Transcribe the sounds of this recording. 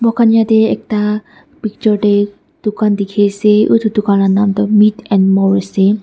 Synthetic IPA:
bɔkanjat̪eek̚ta | pik̚tɔʈe | d̪̥ukand̪ikʰeseʔut̪ʰud̪ukanlanamt̪ɔmitɛnmɔɹse

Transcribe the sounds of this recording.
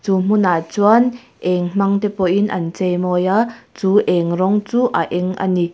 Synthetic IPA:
t͡sum̥unat͡suan | ʔɛŋm̥aŋt̪ɛpɔʔinʔɐ̰nt͡sɛjmɔjat͡suːʔɛŋrɔŋt͡suːʔaʔɛŋʔa̰ni

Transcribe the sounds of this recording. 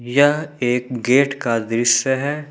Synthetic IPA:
jɐɦeːk̚ɡeːʈkad̪ɾɪsjəɦɛː

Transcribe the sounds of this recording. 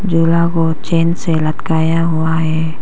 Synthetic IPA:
d͡ʒulaɡɔ | t͡ʃɛnselat̪kajaɦuaɦe

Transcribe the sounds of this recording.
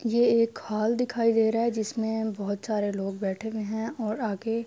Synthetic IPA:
jeeːkhaːld̪ɪkʰaːid̪eːɾaːɦɛd͡ʒɪsmẽbɔɦʊt̪saːɾeloːɡ̚bɛːʈʰemẽɦɛ̃ɔːɾaːke

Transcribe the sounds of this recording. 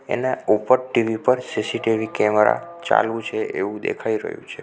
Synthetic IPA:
ḛneupəɾʈiʋipəɾsisiʈiʋikɛmɾa̰t͡ʃa̰lũt͡ʃʰeʔeʋũd̪ḛkʰaiɾə̰ɦjṵ̃t͡ʃʰe

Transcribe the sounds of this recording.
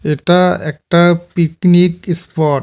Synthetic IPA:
eʈaek̚ʈapiknikispɔʈ

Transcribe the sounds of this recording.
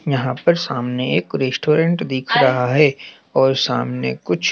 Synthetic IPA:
jɐɦãpɐɾsaːmneeːkɾeːsʈoːɾẽɳʈd̪iːkʰɾɐɦaɦɛ | ɔːɾsa̰ːmnekʊt͡ʃʰ

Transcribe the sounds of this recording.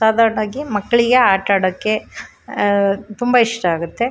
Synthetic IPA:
saːd̪ʱaːɾɐɳaːɡimɐkːɐɭiɡe̞aːʈaːɽɐkːe̞ | t̪umbɐiʂʈɐaːɡut̪ːe̞

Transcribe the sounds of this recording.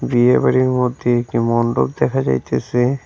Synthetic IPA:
biebaɾiɾmod̪ʱːeek̚ʈimɔnɖo̰k̚d̪ɛkʰad͡ʑa̰jt̪esʰe

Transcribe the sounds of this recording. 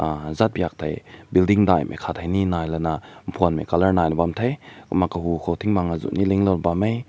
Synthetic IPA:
azat̚bjak̚t̪ʰajbildiŋdajmʔḛkʰat̪ʰajninajlɐnam̩pʰunmḛkalɐɹnajnɔbamt̪ʰɐjkɔmakɐɦukʰɔtʰiŋmaŋazṵʔniliŋlɔnbamej

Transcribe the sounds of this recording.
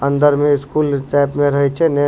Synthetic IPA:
ə̃nd̪əɾmẽɪskuːlsʈɛːpmẽɾɐɦet͡ʃʰene

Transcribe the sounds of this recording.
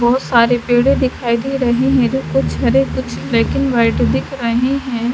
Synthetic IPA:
bɔːʊt̪saːɾepeːɽẽd̪ɪkʰaːid̪iɾɐɦeɦɛ̃d͡ʒokʊt͡ʃʰɦɐɾekʊt͡ʃʰleːkɪnʋaɪʈd̪ɪkʰɾɐɦeɦɛ̃ː

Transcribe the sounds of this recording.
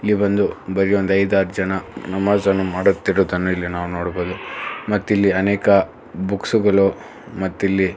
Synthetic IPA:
ilːibɐnd̪ubɐɾijond̪ɐjd̪aːɾd͡ʒɐnɐnɐmaːzɐnːumaːɽut̪ːiɾoːd̪ɐnːuilːinaːʋuno̞ːɽboːd̪umɐt̪ːilːiɐneːkɐ | buksuɡɐɭu | mɐt̪ːilːi

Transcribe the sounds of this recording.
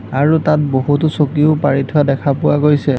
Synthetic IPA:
aɹutat̚boɦut̬ʊsokioʊpaɹitʰʊadɛkʰapʊwaɡojsɛ

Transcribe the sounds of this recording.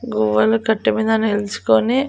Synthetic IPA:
ɡuʋːɐlukɐʈːumiːd̪ɐnelut͡ʃu̥koni

